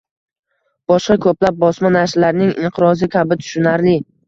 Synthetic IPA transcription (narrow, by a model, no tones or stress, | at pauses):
b̥ɒʃqɑkʰɵplap̚bɒsmanaʃlaɾnɪŋɪɴqʰɨɾɒzɪkʲʰabɪt̪ʰʊ̥ʃʊnaɾlɪ